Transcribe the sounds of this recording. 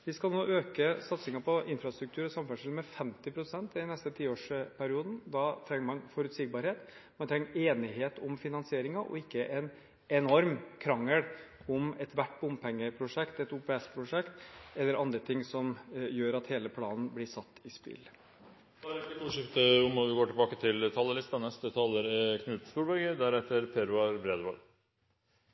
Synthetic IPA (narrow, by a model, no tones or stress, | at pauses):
ʋɪskɑlnoːʔøːkəsɑt̪sɪŋɑpʰɔʔɪnfɾɑst̪ɾʉk̚t̪ʰʉːɾsɑmfœʂɪlmɛfɛmt̪ɪpʰɾʊsɛnt̪ɪd̪ɪnɛst̪ət̪ʰiːoːʂpʰæɾɪuːd̪n̩d̪ɑt̪ʰɾɛŋːəɾmɑnfɔɾʉt̪sɪɡ̚bɑɾheːt̪ | mɛnt̪ʰɾɛŋːeːnɪɦeːt̪ʊmfɪnɑnsɪeːɾɪŋɑʔɔ̰ɪkːəʔɛn | ɛnɔɾmkʰɾɑŋːəɽ | ʊmɛt̪ʋæʈːbʊmpʰɛŋːəpʰɾʊʂɛkt̪ɛt̪ʊpɛspʰɾʊʂɛkt̪ɛlːəɾʔɑnd̪ɾət̪ʰɪŋsɔmjøːɾɑt̪heːləpʰlɑːnn̩blɪsɑt̪ːɪspɪ̰l | d̪̥ɑæɾɛk̪ːət̪uʂɪkt̪əʊmɔʋɪɡoːʈɪlbɑːkət̪ʰɪlt̪ʰɑlːəlɪst̪ɑnɛst̪ət̪ʰɑːləɾɛkʰnʉːt̪st̪uːɾbœɡəd̪æɾɛt̪ːəɾpʰeɾʉɑɾbɾeːd̪ʋɑl